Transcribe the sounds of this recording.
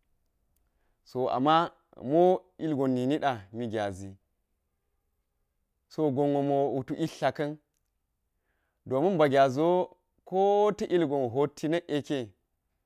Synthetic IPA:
so˨a̰˨mːa˦ | mo˦i˦lɡo˨nːi˨ni˦ɗa˨mi˦ɡʲa˨zi˨ | so˦ɡo˨ŋo˨mo˨u˨tu˨ʔi˦ɬa˨kɐ˦n | do˨mu˦mba˨ɡʲa˨zo˦ | ko˦tɐ˦ʔi˦lɡo˨nɦo˦tʰːi˦nɐ˦ʔe˨ke˦

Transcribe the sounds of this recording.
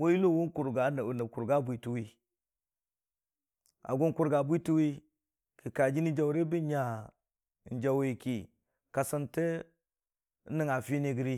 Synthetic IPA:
wo˦i˦lo˦wu˦nku˨ɾɡa˨˦n˨nə˨ku˨ɾɡa˦bʷi˨tu˦wi˦ | a̰˨ɡu˦nku˦ɾɡa˨bʷi˦tu˦wi˦ | ki˨ka˨d͡ʒi˦ni˦d͡ʒa˨wɾe˦bi˦ɲa˨ | n˨d͡ʒa˨we˨ki˨ | ka˨sa˦nte˦ | ni˦ŋa˨fi˦ni˦ɡi˦ɾi˦

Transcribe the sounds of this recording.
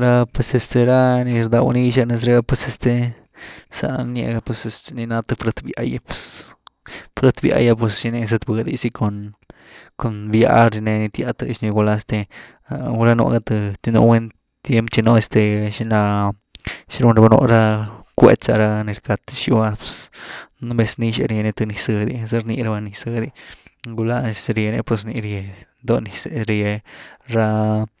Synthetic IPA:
ɾa˧pwe˧se˧st̪e˧ɾa˦ni˧ɾd̪a˧w̰ni˦ʃa˦˧ne˧s̬ɾe˧a˧pwe˧se˧st̪e˧ | sa̰˧njḛ˧ɡa˧pwe˧se˧sni˧na˧t̪ɨ˧fɾe˧t̪bja̰˧ja˦pwe̥˧s | fɾe˦t̪bja̰˧ja˧p̬we˧sʃi˧ni˧s̬e˧t̪ba˧ɡa˧d̪ḭ˧si˦ko˧n | ko˨nbja̰˧˦ɾi˧ne˧ni˧t̪ja˧t̪ɨ˧ʃni˧ɡʷa˧la˧e˧st̪e˧ | a˧ɾa˦no̰˧ɡa˧t̪ɨ˧t͡ʃi˧no̰˧we˦n | t̪je˦mpt͡ʃi˧no˧e˧st̪e˧ʃi˧˦na˧ | ʃi˧˦ɾu˧nɾa˧ba˧no̰˧ɾa˦kʷḛ˦t͡ʃa˧ɾa˦ni˧ɾka˧t̪ʃu˧˦a˧pe̥˧sn˦mbe˧sni˧ʃḛ˧ɾje˧ne˧t̪ɨ˧ni˧sɨ˧d̪i˧ze˦ɾni˧ɾa˧ba˧ni˧sɨ˧d̪i˧ɡu˧la˧e˧se˧ɾje˧nḛ˧pwe˧sni˧ɾje˧nd̪o˧ni˧se˧˨ɾje˧ɾa˦

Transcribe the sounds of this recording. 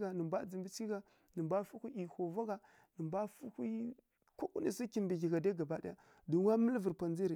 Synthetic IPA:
a˨nə˨mba˦d͡zi˨mbi˦t͡ʃi˦ɡa˨ | nə˨mba˦fu˦ku˦ʔi˨ho˨va˦ɡa˨ | nə˨mba˦fu˦hi˦ | ko˦ku˦ni˨si˦ki˨mbi˨ɡi˨ɡa˨da˦ɡa˨ba˦da̰˦a˦ | du˨˦wa˦mə˦lvə˨ɾpa˨nd͡zi˦ɾi˨

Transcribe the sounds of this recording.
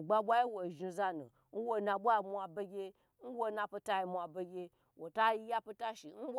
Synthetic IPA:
ɡ͡ba˧ɓʷa˦i˦wo˨ʒi˧za˧nṵ˨ | n̩˦wo˧nã˧ɓʷa˦˧˨mʷ˧a˧be˧ɡʲe˧ | n̩˦wo˦nã˧pi˧ta˦i˧mʷ˧a˧be˧ɡʲe˧ | wo˨ta˦ji˧ja˦pi˧ta˦ʃi˨n̩˦w

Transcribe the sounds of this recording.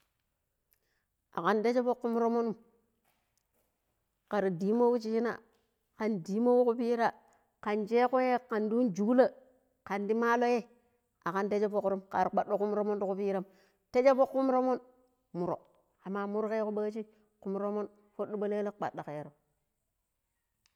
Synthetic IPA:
a̰˨ka˨nde˦t͡ʃe˦fo˦kːu˦m˦ɾo˦mo˦nu˦m | ka˨ɾi˨di˨˦mo˦wu˦t͡ʃi˦t͡ʃi˦na̰˨ | ka˨ndi˨˦mo˦wu˦ku˦pi˦ɾa˦ | ka˨nt͡ʃe˦ku˦je˦ka˨ndu˦nd͡ʒu˨˦la˦ | ka˨ndi˦ma˦lo˦je˦ | a˨ka˨nte˦d͡ʒe˦fo˦ku˨ɾu˦mka˨ɾk͡pa˨ɗo˦ku˦m˦ɾo˦mo˦n˦du˦ku˦˨pi˦ɾa˦m | te˦d͡ʒe˦fo˦kːu˦m˦ɾo˦mo˦n | mu˨ɾo̰˨ | a˨mːa˨mu˦ɾke˦ku˦ɓa˦t͡ʃi˦ | ku˨m˦ɾo˦mo˦n | fo˦ɗu˦ɓa˦le˦le˦k͡pa̰˨ɗːa˨ke˨ɾo˨

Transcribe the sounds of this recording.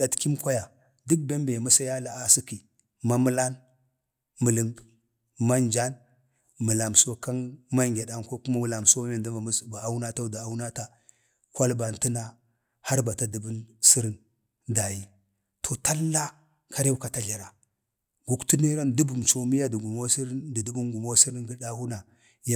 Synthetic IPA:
da˨tki˦mkʷa˦ja˨ | du˦k̚be˦mbe˨mu˦sa˦ja˦la˨a˦si˦ki˨ | ma˦mə˦la˦n | mə˨lə˨ŋ | ma˦nd͡ʒa˦n | mə˨la˨m˨so˦ka˦nma˦ŋɡʲe˨da˦nko˦ku˦ma˦wu˦la˨mso˦me˨nda˦a˨˦sba˨a˦u˦na˦ta˦da˨a˦wna˦ta˦ | kʷa˦lba˨n˨ti˦na˦ | ha˦ɾba˨ta˦di˨bu˦nsi˦ɾi˦n | da˨ji˨ | tʰo˨ta˦lːa˦ | kʰa˦ɾe˦wka˨ta˨ɮa˨ɾa˨ | ɡu˨ktu˦ne˦ɾa˦ndu˦bu˨mt͡ʃo˨mi˦ja˦di˨ɡu˨mo˦si˦ɾdi˨du˦bu˦nɡu˨mo˦si˦ɾi˦nɡi˦da˦hu˦na˨ | ja˦

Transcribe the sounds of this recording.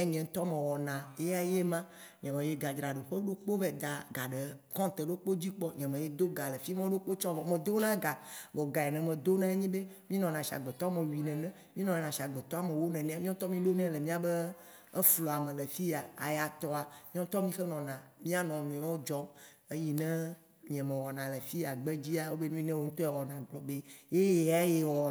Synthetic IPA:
e˦ɲ̃˨ɛ̃˨ŋ̩˦t̪ɔ˦mẽ˨wɔ˨nã˨e˦ja˦je˦mã˦ | ɲɛ̃˨mẽ˨je˦ɡa˨d͡ʒɾa˨ɖo˨ɸe˦ɖo˦k͡po˦vɛ˦d̪a˨ɡa˨ɖe˨kɔ̃˦t̪e˨ɖo˦k͡po˦d͡ʑi˦k͡pɔ˦ɲɛ̃˨mẽ˨je˦d̪o˦ɡa˨le˨fi˦mẽ˦o˦ɖo˦k͡po˦t͡ʃɔ̃˦˨mẽ˨d̪o˦wnã˦ɡa˨bɔ˨ɡa˨ɛ˨nɛ̃˨mɛ̃˨d̪o˦nã˦e˦ɲĩ˦be˦mĩ˦nɔ̃˨nã˨ʃa̰˨ɡ͡bɛ˨t̪ɔ˦a˦mẽ˨wi˨nɛ̃˨nɛ̃˨ | mĩ˦nɔ̃˨e˨nã˨ʃa˨ɡ͡bɛ˨t̪ɔ˦a˦˨mẽ˨wo˦nɛ̃˨nɛ̃˦a˦mĩ˦ɔ̃˦t̪ɔ˦mĩ˦ɖo˦nɛ̃˦le˨mĩ˦a˨be˦ | e˦flɔ˨a˨mẽ˨le˨fi˦ja˨a̰˨ja˨t̪ɔ˦a˨mĩ˦ɔ̃˦t̪ɔ˦mĩ˦xe˦nɔ̃˨nã˨mĩ˦a˦˨nɔ̃˨nũ˨ɛ˨mã˦wo˦d͡ʒɔ˦ | e˦ji˨nɛ̃˦ | ɲ˨ɛ̃˨mẽ˨wɔ˨nã˨le˨fi˦a˨ɡ͡be˦d͡ʑi˦a˨wo˦be˦nũ˦i˦nɛ̃˦wo˦ŋ̩̃˦t̪o˦ɛ˨wɔ˨nã˨ɡ͡blɔ˨be˦je˦je˨a˦je˨wɔ˨

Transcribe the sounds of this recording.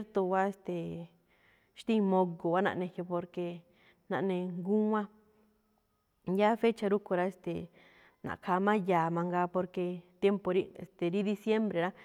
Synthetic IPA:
ɾt̪o˧ɣa˦e˧st̪e˨ | ʃt̪ĩ˦˧mõ˧ɡo˨a˦nã̰˧ʔnẽ˧hjo˧po˧ɾke˧ | nã˧ʔnẽ˧ŋɡu˦ã˦ | ja˦fe˦t͡ʃa˧ɾu˦ku˧ɾa˧e˧st̪ḛ˨ | nã̰˨˧kʰaː˧mã˦jaː˨mã˧ŋɡaː˧po˧ɾke˧t̪je˦mpo˧ɾi˦ḛ˧˨st̪e˨ɾi˦d̪i˧sje˦mbɾe˨ɾa˦

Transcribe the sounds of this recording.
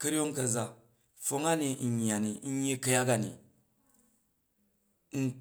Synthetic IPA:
kɐ˦ɾʲi˦o˦ŋkɐ˨za˦ | fo˦ŋa˦ni˨ŋ̩˨ɲː˨a˨ni˨˦ɲ˦i˦kɐ˦ja˦ɡa˨nḭ˨ | ŋ̩˦

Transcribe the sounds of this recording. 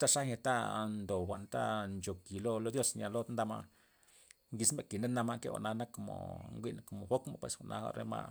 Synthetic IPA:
t̪a˦ʂa˦ɲa˧t̪a˦nd̪o˨xʷa˨ʔnt̪a̰˦nt͡ʃo˨ki˨lo˦lo˧d̪jo˦sɲʲa˧lo˦nd̪a˧ma̰˧ | ŋɡi˧smbe˨ki˨ne˦na˧ma˦˧ke˦ɣa̰˨ʔna˧na˦ko˨mo̰˨ŋɡʷi˦n˨ko˨mo˨xo˦kma̰˦pwe˧˨sxʷa˨nʔa˧xa̰˧ɾḛ˧ma̰˧ʔ

